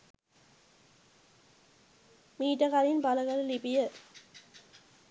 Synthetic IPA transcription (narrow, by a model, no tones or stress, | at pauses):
miːʈəkaɾinpaləɡaləlipijə